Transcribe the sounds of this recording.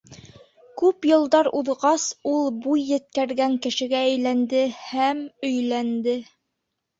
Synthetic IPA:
kʉpjɤ̆lˠd̪ɑɾuðʁɑsulˠbujːɘ̆t̪̚kæɾɡæŋkɘ̆ʃɘ̆ɡæːjlænd̪ɘhæmɵ̆jlænd̪ɘ

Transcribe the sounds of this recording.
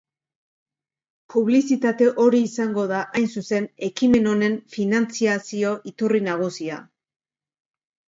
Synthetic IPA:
puβ̞lisit̪at̪e̞ʔo̞ɾiːsaŋɡo̞ðaʔajnsuse̞ne̞kime̞no̞ne̞ɱfinant͡siasio̞ʔit̪urinaɣ̞usia̰

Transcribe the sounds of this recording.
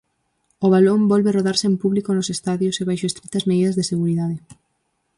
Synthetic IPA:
oβ̞alombɔlβeroðaɾseempuβlikonosest̪aðjoseβajʃoest̪ɾit̪ɐzmeðiðɐzðeseɣuɾiðaðe

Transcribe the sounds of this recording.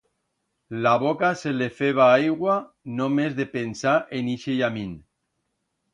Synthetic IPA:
laβokaselefeβ̞aajɣwa | nomezðepensaʔeniʃejamin

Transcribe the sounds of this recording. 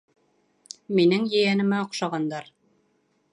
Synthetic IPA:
minɘŋjɘ̆jænɘ̆mæŏqʃɑʁɑnd̪ɑɾ

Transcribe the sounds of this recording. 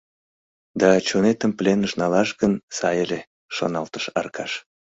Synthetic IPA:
d̪ɑt͡ɕonet̪əmplenəʃnɑlɑʃɣənsɑjele | ʃo̰nɑlt̪əʃɑ̰rkɑʃ

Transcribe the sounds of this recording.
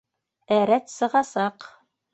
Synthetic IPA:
æɾæt̪sɤ̆ʁɑsɑq

